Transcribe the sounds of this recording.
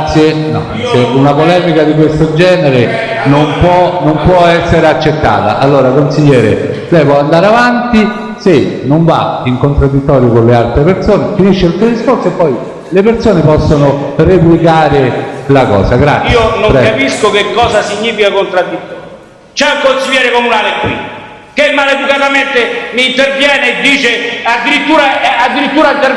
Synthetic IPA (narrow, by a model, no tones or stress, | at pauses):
t̪sːje | nɔ̰ | seunapolɛːmikad̪ikwest̪od͡ʒɛːneɾe | nompwɔnompwɔɛsːeɾeat͡ʃːet̪ːa̰ːt̪a̰ʔalːoːɾakonsiʎːɛːɾe | d̪ɛːjvoand̪aːɾeavant̪i | senoɱva̰iŋkont̪ɾad̪ːit̪ːɔːɾjokonlealt̪ɾepersoːnefiniʃːeut̪ed̪iskorsoepːɔj | lepersoːnepɔsːonoreplikaːɾelakɔ̰ːsaɡɾa̰t̪siːonoŋpɾɛɡkapiskokekːɔːzasiɲːiːfikakont̪ɾad̪ːit̪ːɔːɾjoj | t͡ʃɛukonsiʎːɛːɾekomunaːlekwḭ | k̟emːaled̪ukat̪ament̪emiːnt̪ervjɛːneːd̪ːiːt͡ʃead̪ːiɾit̪ːuːɾaɛad̪ːiɾit̪ːuːɾat̪er